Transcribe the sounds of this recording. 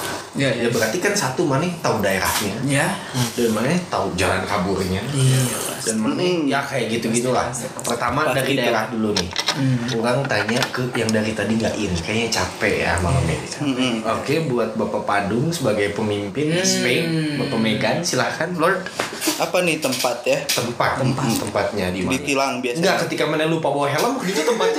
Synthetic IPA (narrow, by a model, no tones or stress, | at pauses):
jadabəɾart̪ikansat̪umanɛht̪audaeɾa̰hɲaja | danmanɛt̪aud͡ʒalankaburɲa | danmanɛjakajaɡit̪uɡit̪ulahpərt̪amadaɾidaeɾahdulunɪhuɾaŋt̪aɲakəjaŋdaɾit̪adiŋɡa̰ʔɪnkaɲat͡ʃapɛʔja̰ma̰la̰mḛdisaokebuat̪̚bapapadʊŋsəbaɡajpəmimpɪndispenmapəmeɡansilahkanlɔrd | ʔapanɪht̪əmpat̪jaːəmpat̪ːəmpat̪ːəmpat̪̚ɲadimaipilaŋbiaŋɡaʔkət̪ikamanalupaboɦɛləmkɡit̪ut̪əmpat̪̚